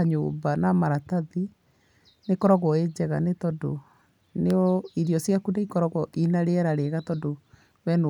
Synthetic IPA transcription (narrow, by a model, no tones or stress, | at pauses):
aɲoːbanamaɾataði | nekɔɾɔɣɔed͡ʑɛɣa̰netɔdo̰ | neɔiðiɔsjakudaikɔɾɔɣɔʔinaɾeɛɾaɾeɣatɔdo | wɛn